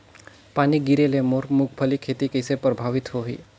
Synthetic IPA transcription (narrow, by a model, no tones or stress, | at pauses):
paniɡiɾelemoɾmuk̚ʰpʰəlikʰet̪ikəjsepɾəbʱaʋit̪ɦoɦḭ